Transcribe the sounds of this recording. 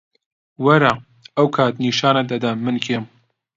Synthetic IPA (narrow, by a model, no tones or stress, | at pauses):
wɐɾa | ɐwkʰɑːt̪niːʃɑːnɐd̪ɐd̪ɐmɨnkʰeːm